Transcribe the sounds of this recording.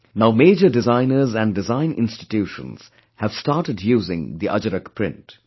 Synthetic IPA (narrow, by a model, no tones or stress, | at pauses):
naʊmeːd͡ʒəɖɪzãɪ̃nəɾzæ̃nɖɖɪzãɪ̃nʔɪ̰̃nsʈɪ̥tjuːʃə̰̃nz̥ | hæʋ̥staːʈəɖjuːzɪ̰̃ŋd̪iʔʌ̰d͡ʒəɾəkpɾɪ̰̃nt